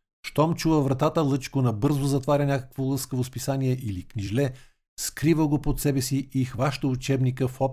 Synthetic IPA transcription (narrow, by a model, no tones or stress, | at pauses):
ʃt̪ɔmt͡ʃuvəvɾɐt̪at̪əlˠɤt͡ʃkonɐbɤɾzozɐt̪vaɾʲənʲakə̥kvolˠɤskəvospisaniɛʔiliknʲiʒlɛ | skɾivəɡopot̪sɛbɛsiʔixvaʃt̪əut͡ʃɛbnikəfɔp